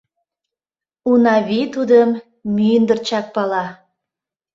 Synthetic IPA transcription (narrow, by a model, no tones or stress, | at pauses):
unɑβit̪ud̪əmː | ynd̪ərt͡ɕɑk̚pɑlɑ